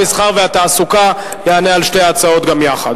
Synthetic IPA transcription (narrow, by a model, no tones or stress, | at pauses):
isχaʁveat̪aːsuka | jeanealʃteat͡sao̞t̪ɡamjaχad̪